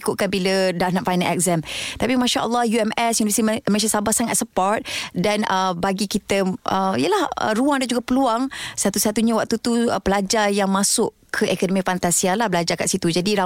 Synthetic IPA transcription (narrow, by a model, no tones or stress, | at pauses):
kʊʔ̪̚kanbilədaʔnaʔfajnalɛ̰k̚zamt̪apimãʃaʔə̰lːɔhjuɛmɛsjunivəsit̪imə̃s̬asabahsaŋat̪̚səpɔɾt̪̚danəbaɡikit̪əəijəlahə̰ɾuaŋdand͡ʒuɡapəluaŋsat̪usat̪uɲawak̚t̪ut̪upəlad͡ʒarjaŋmãsʊʔkʰəʔɛkɔnɔmĩfant̪asialahbəlad͡ʒarkaʔsit̪ud͡ʒadiɾa